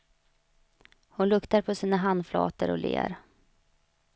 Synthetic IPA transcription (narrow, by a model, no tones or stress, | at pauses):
hʊnlɵkt̪aɾpʰɔsiːnaɦand̪flɑ̰ːt̪əɾɔlḛːɾ